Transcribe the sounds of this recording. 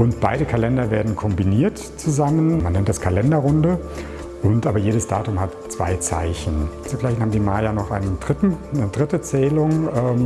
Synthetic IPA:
ʔʊntb̥aɪɾəkʰalɛndɐveːɐdn̩kʰɔmbiniːɐt | t͡suzamənmanːɛntdaskʰalɛndɐʁʊndə | ʔʊntʔaːbɐjeːɾəsd̥a̰ːtʊmhatt͡sv̥a̰ɪt͡sa̰ɪçn̩azuflaɪn̩haːm̩diːmaːjanɔχʔaɪnəndʁɪtn̩dʁɪtət͡sɛːlʊŋɛːm

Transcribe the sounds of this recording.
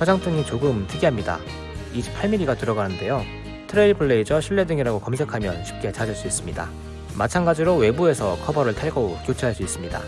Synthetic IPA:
t͡ɕʰʌd͡ʑaŋp͈ʰɯŋit͡ɕoɡɯmtʰɯɡiɦamɲida̰ | iɕʰi̥pʰːaɭmiɾiɡatɯɾʌɡanɯnde̞jo | tʰɯɾeiɭpʰɯɭːe̞id͡ʑʌɕʰiɭːe̞dɯŋiɾaɡokʌmsʰe̞kʰamjʌnɕʰi̥p̚k͈e̞t͡ɕad͡ʑɯɭs͈uis͈ɯmɲida̰ | mat͡ɕʰanɡad͡ʑiɾowe̞bue̞sʰʌkʰʌbʌɾɯɭtʰaɭɡokjot͡ɕʰiɦaɭs͈uis͈ɯmɲida̰

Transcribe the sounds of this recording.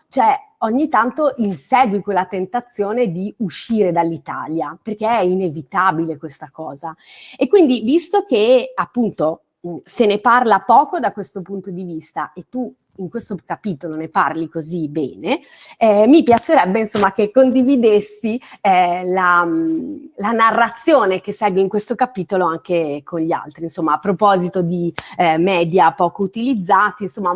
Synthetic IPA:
t͡ʃoɛ | oɲːit̪ːant̪oʔinsɛːɡwikwelːat̪ent̪at̪sːjoːned̪iuʃːiːɾed̪alːit̪a̰ːljaperkeɛinevit̪abilekwest̪akɔːzaekːwind̪ivist̪ok̟eapːunt̪o | seneparlapɔːkod̪akwest̪opunt̪od̪ivist̪a̰ʔet̪ːu | iŋkwest̪okapiːt̪oloneparlikozibɛ̰ːne | ɛmipjat͡ʃːeɾɛbːeinsomːak̟ekːond̪ivid̪esːiɛla | lanarːat̪sːjoːnek̟esɛlɡweiŋkwest̪okapiːt̪oloaŋkekʰonʎia̰lt̪ɾinsomːaːpːɾopɔːzit̪od̪imɛːd̪japɔːkout̪ilid̪zːaːt̪iinsomːa

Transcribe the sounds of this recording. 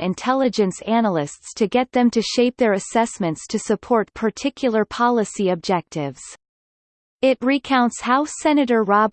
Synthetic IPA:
ɨ̃ntʰɛlˠɨd͡ʒɨ̃nsænl̩ˠɪststʰɨɡɛt̪̚ðɨ̃mtʰɨʃeɪp̚ðə˞ɨsɛsmɨ̃ntstʰɨsɨpʰɔɹt̚pʰə˞tʰɪkʰjl̩ˠə˞pʰɑlˠəsiɨb̚d͡ʒɛk̚tɪvz̥ | ɪt̚ɹikʰãʊ̃ntshaʊsɛnɨɾə˞ɹɑb

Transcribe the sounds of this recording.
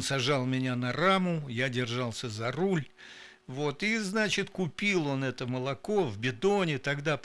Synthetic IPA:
nsɐʐɑlˠmʲɪnʲanɐɾamʊjadʲɪrʐɑlˠsʲəzɐɾulʲ | vo̞t̪iznat͡ɕɪt̪kʊpʲilˠo̞nɛt̪əməlˠɐko̞vbʲɪd̪onʲɪt̪ɐɡd̪a

